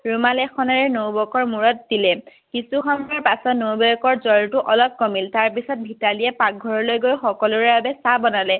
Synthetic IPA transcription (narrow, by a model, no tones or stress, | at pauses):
ɹumalɛxɔnaɹɛnowbɔkɔɹmuɹɔt̚dilɛ | kisuxɔmɔɹpasɔtnowbɔjɔkɔɹzɔɹtʊʔɔlɔb̚kɔmiltaɹpisɔt̚bʱitalijɛpak̚ɡʱɔɹɔlojɡojxɔkɔlʊɹɛbabɛsabɔnalɛ